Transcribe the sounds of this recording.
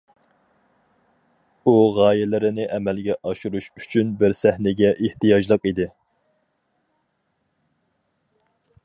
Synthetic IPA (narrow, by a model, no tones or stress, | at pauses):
uʁɑːjɛlɪɾɪnɪʔɛmɛlɡʲɛʔɑʃuɾuʃyt͡ʃʰynbɪɾsæhnɪɡʲɛʔeht̪ɨjɑʒlˠəqid̪ɪ